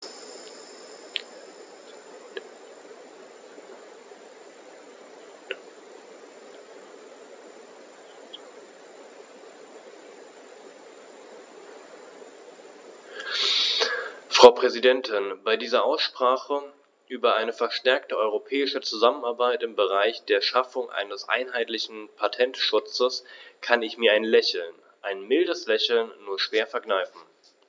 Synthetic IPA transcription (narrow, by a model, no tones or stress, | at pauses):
fʁ̥aʊpʁ̥ɛzidɛntʰɪnbaɪdiːzɐʔaʊsʃpʁ̥aːχə | ʔyːbɐʔaɪnəfɛɐʃtɛɐk̚təʔɔʏʁopʰɛːɪʃət͡suzamənaɐbaɪtɪmbəʁaɪçd̥eːɐʃafʊŋʔa̰ɪnəsʔa̰ɪnɦaɪtlɪçn̩pʰatʰɛntʃʊt͡səskʰanɪçmiːɐaɪnlɛçl̩n | ʔaɪnmɪldəslɛçl̩nːuːɐʃv̥eːɐfɛɐɡnaɪfn̩